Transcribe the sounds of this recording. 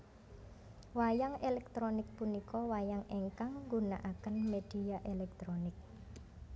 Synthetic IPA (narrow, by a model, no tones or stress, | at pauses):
wajaŋelɛk̚t̪ɾonɪk̚punikɔwajaŋeŋkaŋŋɡuna̰ʔakənmed̥i̤aʔelɛk̚t̪ɾonɪk̚